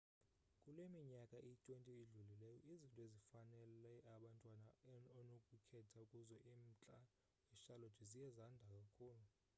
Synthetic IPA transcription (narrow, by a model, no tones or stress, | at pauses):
kʼulemiɲakʼaʔitʼwentʼiːɮulilɛjɔizintʼɔezifanɛlɛaɓantʼwanaɔnokʼukʰɛtʰaukʼuzɔʔim̩t͡ɬʼa | iʃalotʰizijɛzandʱakʼakʰuːlu